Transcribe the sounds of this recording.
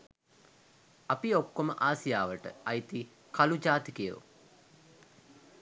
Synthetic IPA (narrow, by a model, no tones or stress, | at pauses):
ɐpiokːoməʔaːsijaːʋəʈə̰ɐjt̪i | kalud͡ʒaːt̪ikijo̰